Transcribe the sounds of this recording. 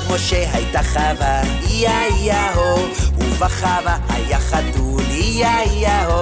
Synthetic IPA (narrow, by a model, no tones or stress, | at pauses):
moʃeɦajt̪aχava | ijaijaɦouvaχavahajaχadulijaijaɦo